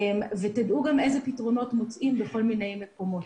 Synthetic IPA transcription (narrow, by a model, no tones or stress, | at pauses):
mvetadʔuɡame̞zepitʁo̞no̞tmot͡sʔimbeko̞lmine̞jmeko̞mo̞t